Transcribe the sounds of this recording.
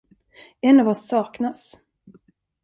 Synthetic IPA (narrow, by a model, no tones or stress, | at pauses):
ɛnːavɔsːɑːknas